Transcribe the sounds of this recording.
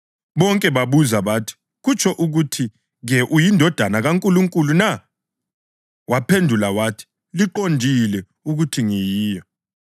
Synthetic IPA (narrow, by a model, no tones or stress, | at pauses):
βɔŋkʼɛβaβuzaβatʰi̥ | ɣut͡ʃʰɔʔuɣutʰi | ɣɛʔujindʱɔd̥ʱanaɣaŋkʼuluŋkʼuluna | wapʰendʱulawatʰi̥ | liǃondʱilɛ | uɣutʰiŋɛjiːjɔ